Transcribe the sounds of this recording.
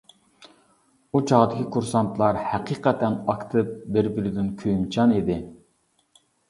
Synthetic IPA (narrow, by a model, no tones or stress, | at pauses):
ut͡ʃʰɑʁd̪ɪkʲʰikʰuɾsɑnt̪ʰlˠɑɾhæqʰiːqɛt̪ʰɛnɑkt̪ʰɨp̚bɪɾbɪɾɪd̪ɪnkʲʰømt͡ʃʰɑnid̪ɪ